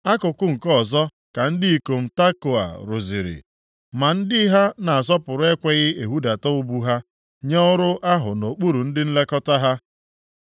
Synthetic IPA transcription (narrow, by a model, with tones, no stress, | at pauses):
a˦kʊ˨kʊ˦ŋ̩˨kɔ˦˨zɔ˦ | ka˨n̩˦dɪ˦i˨ko˨m̩˨ta˦ko˨a̰˨ɾʊ˨zi˨ɾɪ̰˨ | ma˨n̩˦dɪ˦ɦa˦na˨a˨zɔ˦pʊ˨ɾʊ˦e˦kʷe˨ɣɪ˦e˨ɦu˦da˨tɔ˦ʊ˦bu˦ɦa˦ | ɲɔ˦ʊ˦ɾʊ˦ʔa˦ɦʊ˨no˨k͡pu˦ɾu˨n̩˦dɪ˦n̩˦le˦kɔ˦ta˦ɦa˦